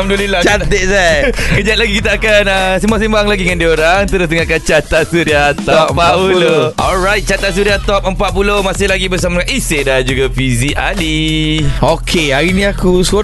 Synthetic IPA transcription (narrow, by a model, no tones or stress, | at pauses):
mduolilat͡ʃat̪eʔ̚sakəd͡ʒat̪̚laɡikit̪aakanəsimbasembaŋlaɡiŋandioɾaŋt̪əɾəst̪əŋakat͡ʃat̪asuɾiat̪ɔpapuloʔɔlɹajt̪̚t͡ʃat̪as̬uɾiat̪ɔp̚əmpat̪ʔ̚pulomasɪhlaɡibəs̬amadŋanisedad͡ʒuɡafiziʔali | okʰeaɾinĩakuso